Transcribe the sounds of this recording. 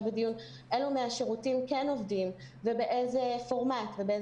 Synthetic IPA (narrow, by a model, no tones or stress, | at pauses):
bedijun | ʔelumeaʃeʁutimkeno̞vdim | vebeʔezefo̞ʁmatvebee